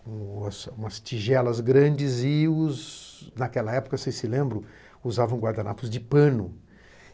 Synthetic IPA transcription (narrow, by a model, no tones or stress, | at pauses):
ũɐsũmɐst͡ʃiʒɛlɐzɡɾɐ̃d͡ʒɪzɪʊznakɛlɐɛpʊ̥kɐsejsɪlẽmbɾõ | uzavɐ̃w̃ɡwaɾd̪anapʊzd͡ʒɪpɐ̃nʊ